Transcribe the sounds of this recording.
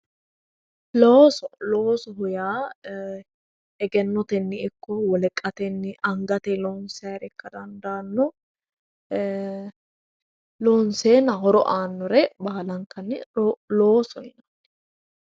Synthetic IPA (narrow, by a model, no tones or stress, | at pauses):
loːsɔloːsɔɦʊjaː | ɛɡɛnːɔt̪ɛnːɪɪkːɔwɔlɛkʼːɐt̪ɛnːɪʔɐŋɡɐt̪ɛlɔːnsaːɾɛkːɐd̪ɐnd̪ɐaːnːɔ | loːnseːnɐhɔɾɔ̰ʔaːnːɔɾɛbaːlɐŋkɐnːɪloːsɔɪnɐnːɛ̥